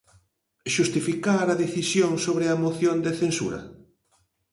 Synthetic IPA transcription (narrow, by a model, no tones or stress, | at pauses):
ʃust̪ifikaɾɐðeθisjoŋsoβɾɪɐmoθjond̪eθensṵɾɐ̰